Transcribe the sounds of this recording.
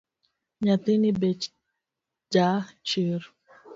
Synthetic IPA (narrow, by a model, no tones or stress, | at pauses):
ɲat̪enibɛt͡ʃ | d͡ʒat͡ʃeɾu